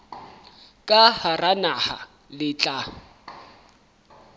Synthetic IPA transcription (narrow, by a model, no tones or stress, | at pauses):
kʼaharanaha̰ | lɪt͡ɬʼa